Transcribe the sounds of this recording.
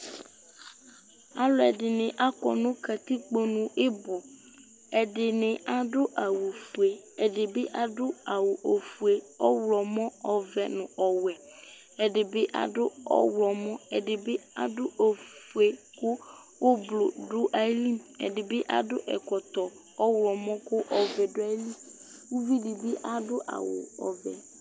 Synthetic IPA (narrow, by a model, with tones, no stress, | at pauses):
a˦lʊ˦ɛ˨dɪ˨nɪ̃˨ʔa˦kɔ̰˨nʊ̃˦ka˨t̪i˦k͡po˦nʊ̃˨ʔɪ˦bʊ˨ | ɛ˨dɪ˨nɪ̃˨a˨dʊ˦ʔa˨wo˨fu˨e˨ | ɛ˨dɪ˨bɪ˦ʔa˨dʊ˦a˨wʊ˨ʔo˨fu˨e˨ | ɔ˦wlɔ˨mɔ̃˦ɔ˨vɛ˨nʊ̃˨ɔ˨wɛ˨ | ɛ˨dɪ˨bɪ˦ʔa̰˨dʊ˦ɔ̰˦wlɔ˨mɔ̃˦ɛ˨dɪ˨bɪ˦a̰˨dʊ˦ʔo˨fu˨e˨kʊ˦ | ʊ˦blʊ˨dʊ˦ʔa˦li˦mɛ̰˨dɪ˨bɪ˦ʔa̰˨dʊ̰˦ʔɛ̰˨kɔ˨t̪ɔ˨ | ɔ˦wlɔ˨mɔ̃˦kʊ˦ʔɔ˨vɛ˨dʊ˦a˦li˦ | wʊ˦vi˦dɪ˨bɪ˦ʔa˨dʊ˦ʔa̰˨wʊ̰˨ɔ̰˨vɛ̰˨